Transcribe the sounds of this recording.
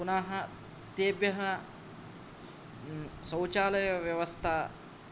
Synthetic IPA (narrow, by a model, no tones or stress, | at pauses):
unaːɦɐ | t̪eːbjɐɦɐ | sɐwt͡ʃaːlɐjɐʋjɐʋɐst̪ʰaː